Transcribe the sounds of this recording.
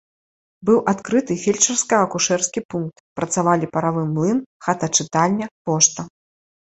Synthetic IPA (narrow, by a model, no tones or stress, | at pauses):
bɨwʔat̪kɾɨt̪ɨfʲelʲt͡ʂɐrskɐɐkuʂɛrskʲipunk̚t̪pɾɐt̪savalʲipɐɾavɨmlˠɨnxat̪ɐt͡ʂɨt̪alʲnʲːɐpɔʂt̪ɐ